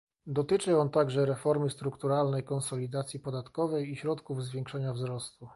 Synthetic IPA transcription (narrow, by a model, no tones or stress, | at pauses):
d̪ɔt̪ɘt͡ʂɘɔnt̪aɡʐɛɾɛfɔɾmɘst̪ɾukt̪uɾalnɛjkɔnsɔlʲid̪at̪sʲjipɔd̪at̪kɔvɛjiɕɾɔt̪kuvzvʲjɛŋkʂɛɲavzɾɔst̪u